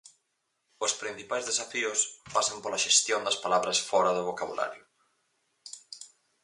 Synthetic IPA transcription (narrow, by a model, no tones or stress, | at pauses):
ʊspɾin̟θipajzðesafiʊspasɐmpolɐʃest̪jond̪ɐspalaβɾɐsfɔɾɐðʊβokaβṵla̰ɾjʊ